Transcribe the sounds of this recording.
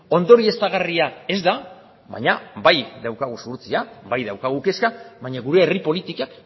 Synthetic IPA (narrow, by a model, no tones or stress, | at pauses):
o̞nd̪o̞ɾie̞st̪aɣariae̞zd̪a | βa̰jɲabajðawkaɣ̞usuɾt͡siaβajðawkaɣ̞uke̞skaβajɲaɣuɾe̞ːripo̞lit̪ikak